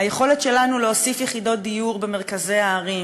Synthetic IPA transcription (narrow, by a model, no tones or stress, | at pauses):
ajeχo̞letʃe̞lanuleosifjeχido̞t̪̚d̪ijuʁbe̞me̞ʁ̞kaze̞aːʁim